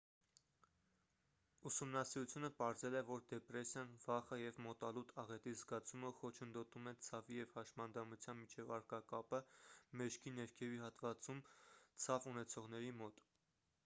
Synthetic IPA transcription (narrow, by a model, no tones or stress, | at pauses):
usumnɑsiɾut͡sʰjunəpɑɾzɛlɛvɔɾd̪ɛpɾɛsjɑnvɑχəjɛvmɔt̪ɑlut̪ʰɑʁɛt̪izɡɑt͡sʰuməχɔt͡ʃʰənd̪ɔt̪umɛt͡sʰɑvijɛvhɑʃmɑnd̪ɑmut͡sʰjɑnmit͡ʃʰɛvɑɾkɑkɑpəmɛʃkʰinɛɾkʰɛviɦɑt̪vɑt͡sumt͡sʰɑvunɛt͡sʰɔʁn̪ɛɾimɔt̪